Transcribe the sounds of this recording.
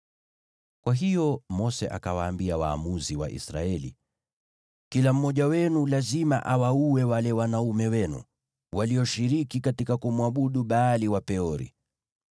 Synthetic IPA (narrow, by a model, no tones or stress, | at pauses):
kwaɦijɔmɔsɛ̰ʔa̰kawaːmbiawa̰ːmuziwa̰ʔḭsɾa̰ɛlḭ | kilam̩mːɔʄawɛnulazima̰ʔawauwɛwalɛwanaumɛwɛnṵ | wʔaliɔʃiɾikikatikakumwaɓuɗuɓaːliwapɛɔɾḭ